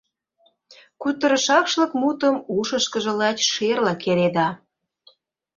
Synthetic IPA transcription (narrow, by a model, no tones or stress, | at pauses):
kut̪ə̆ɾə̆ʃɑkʃlɤ̆kmut̪əmuʃəʃkə̆ʒə̆lɑt͡ɕʲʃerlɑkeɾed̪ɑ